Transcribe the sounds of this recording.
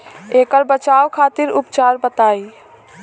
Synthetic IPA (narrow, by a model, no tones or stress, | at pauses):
eːkəɾbət͡ʃawkʰaːt̪iɾʊpt͡ʃaːɾbət̪aːi